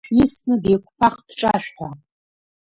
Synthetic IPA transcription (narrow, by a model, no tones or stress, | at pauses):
jɪsnɨdejkʷpʰaχd̥ʈ͡ʂʼaʃᶣħʷa